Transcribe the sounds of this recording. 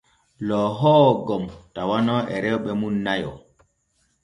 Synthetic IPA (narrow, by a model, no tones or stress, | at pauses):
lɔɦɔːɡɔmtawanɔʔɛɾɛwɓɛmunːajɔ̰